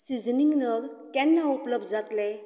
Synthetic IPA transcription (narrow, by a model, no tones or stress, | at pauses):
sizəniŋnəɾ | kenːaupləb̚zatle